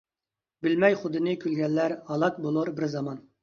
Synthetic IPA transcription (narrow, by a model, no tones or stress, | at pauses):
bɪlmɛjχʊd̪ɨnɨkʲʰylɡʲɛlːæɾhɑlˠɑk̚bolˠuɾbɪɾzɑmɑn